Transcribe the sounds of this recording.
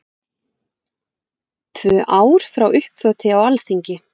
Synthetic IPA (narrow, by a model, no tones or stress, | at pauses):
t̪ʰvœːʔaːwɾ̥fɾawʔʏhpθɔwt̪ʰɪawalsiɲcɪ